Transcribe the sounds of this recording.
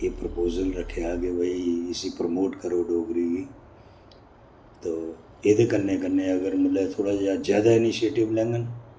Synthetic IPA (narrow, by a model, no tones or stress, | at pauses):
jepɾəpoːzəlɾɐkʰeaːɡeʋɐiɪsipɾəmoːʈkəɾoɖoːɡɾiɡiː | t̪oː | eːd̪okɐɾnekɐɾneɐɡəɾmɪlet̪ʰoːɽazazjaːd̪aɪnɪʃieːʈɪblẽːŋɡən